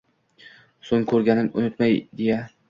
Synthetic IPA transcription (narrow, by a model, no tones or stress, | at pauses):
soŋkʰɵɾɡʲanɪmʊ̰nʊt̪majd̪e̞ja